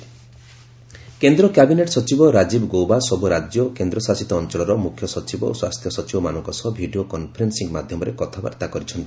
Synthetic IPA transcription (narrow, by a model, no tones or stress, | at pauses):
kend̪ɾɔkabineʈsɔt͡ʃibɔɾad͡ʒibɔɡowbasɔbuɾad͡ʒjɔkend̪ɾɔsasit̪ɔːnt͡ʃɔɭɔɾɔmukʰjɔsɔt͡ʃibɔ̰o̰swast̪ʰjɔsɔt͡ʃibɔmanɔŋkɔsɔbʱiɖiokɔnpʰɔɾensiŋmad̪ʱjɔmɔɾekɔt̪ʰaba̰ɾt̪akɔɾit͡ʃʰɔnt̪i̥